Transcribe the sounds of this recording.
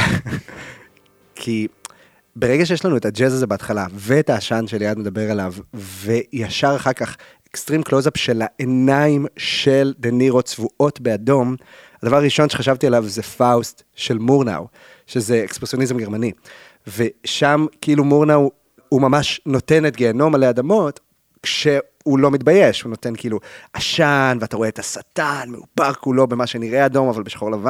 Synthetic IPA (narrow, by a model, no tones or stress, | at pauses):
kʰi | beʁe̞ɡaʃ̬ejeʃlanue̞tad͡ʒezazebeːt̪χalaveːtaːʃanʃe̞ljadmed̪abe̞ʁelavve̞jaʃaʁaχaʁkaχ | ekstʁimklozapʃe̞laʔenaimʃe̞ld̪eniʁo̞t͡svuʔo̞tbe̞ado̞m | adavaʁaʁiʃo̞nʃeχaʃavt̪ialavzefaust | ʃe̞lmuʁna̰w | ʃe̞ze̞ekspʁesio̞nizemɡe̞ʁmani | ve̞ʃamkiʔilumuʁnaw | umamaʃno̞te̞netɡeano̞maleadamo̞t | kʃe̞ | ulo̞mit̚baje̞ʃhuno̞te̞nkiiluʔaʃanveataʁoe̞tasatanmeupaʁkulo̞be̞maʃe̞niʁe̞ado̞mavalbeʃχo̞lavan